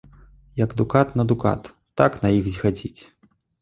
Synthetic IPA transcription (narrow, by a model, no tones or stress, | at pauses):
jɐɡd̪ukat̪nɐd̪uka̰t̪ːaknɐjixzʲɣad͡zʲit͡sʲ